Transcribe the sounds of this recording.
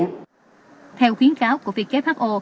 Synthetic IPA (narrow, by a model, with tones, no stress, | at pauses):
t̪ʰɛ˧wxi˨˦ənkaː˨˦wku˧˩əvi˨˩ək̚t͡ɕe˦˥p̚haː˦˥k̚ʔo˧